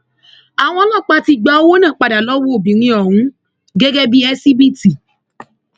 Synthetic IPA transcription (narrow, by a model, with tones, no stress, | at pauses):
a˨w̃ɔ̃˧˦lɔ˦˨k͡pa˧ti˧ɡ͡ba˨˦o˦wo˦nãː˦˨k͡pa˨da˨lɔ˦wo˦o˦˨bi˨ɾĩ˦ɔ˨ɦũ˦ | ɡe˦ɡe˦bi˦ɛ˦si˦bi˦ti˨